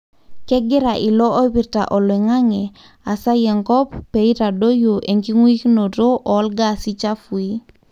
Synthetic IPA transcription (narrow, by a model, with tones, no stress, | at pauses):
kɛ˦ɡi˦ɾa˨ʔi˨lo˦o˦bi˨ɾta̰˨ʔo˨li˨ŋa˦ŋɛ˨ | a˨sa˦je˨ŋkɔ˦pːe˨i˦ɾa˨do˦jo˨ʔe˨ŋki˦ŋu˦i˦kno˨do˦ʔɔ˨˦lɡa˦˨si˦t͡ʃa˦fu˨i˦